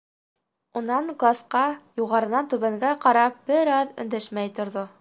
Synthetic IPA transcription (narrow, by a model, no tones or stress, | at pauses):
unɑɴɡlˠasqɑjuʁɑɾɤ̆nɑnt̪ʉβæŋɡæqɑɾɑp̚b̥ɘɾɑðɵ̰̆nd̪æʃmæjt̪ŏɾðo